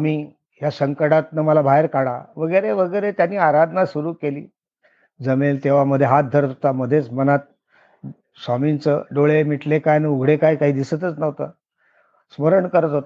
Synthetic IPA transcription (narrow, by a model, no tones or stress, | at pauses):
miː | ɦjasəŋkəɽat̪̚nəməlabʱaeɾkaɽaʋəɡəjɾeʋəɡəjɾet̪janːiːaɾad̪ʱnasuɾuːkelḭː | d͡zəmelt̪eʋaməd̪ʱːjeɦat̪̚d̪ʱəɾət̪ɦot̪aməd̪ʱːjet͡smənat̪̚ | samint͡səɖoɭemiʈlekajnəuɡʱɽekajkaɦiːd̪isət̪ət͡snəʋt̪ə | sməɾəɳkəɾət̪ɦot̪